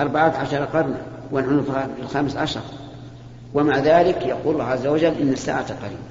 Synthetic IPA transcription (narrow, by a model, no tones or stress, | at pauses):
ʔɑɾˤbaʕaːt̪ʕaʃɑɾˤɑqɑɾˤna̰ | wɪnħunuffilxamsʕaʃɑ̰ɾˤ | wɪmaʕðaːlɪkjaqṵːlːɑːhʕazːawad͡ʒalːʔɪnːasːa̰ːʕat̪alqɑɾḭːma